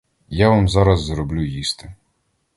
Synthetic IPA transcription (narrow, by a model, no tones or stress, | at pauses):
jaʋamzɑɾɐzːɾɔblʲujist̪ɪ